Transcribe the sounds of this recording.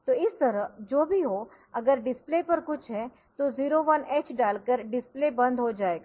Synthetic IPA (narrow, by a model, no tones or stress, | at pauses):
t̪oɪst̪əɾəd͡ʒoːbʱiɦo | ɐɡəɾɖɪsplepəɾkʊt͡ʃʰɦɛ | t̪oziːɾoʋənet͡ʃɖaːlkəɾɖɪsplebə̃nd̪ʱɦod͡ʒaːeɡa